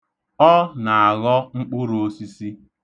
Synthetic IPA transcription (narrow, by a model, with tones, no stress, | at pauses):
ɔ˦na˨a˨ɣɔ˦ŋ͡m̩˦k͡pʊ˦ɾo˨˦si˦si˦